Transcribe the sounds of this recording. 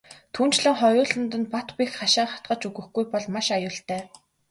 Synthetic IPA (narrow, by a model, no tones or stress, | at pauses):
t̪ʰuːn̥t͡ɕɮə̆ŋχɔjʊːɮə̆nt̪ɵ̆nt̪̚pat̪pʲixχaʃaːχḁt̪ɢə̆t͡ɕɵɣɘ̆xɡujpɔɮmaʃajʊːɬt̪æː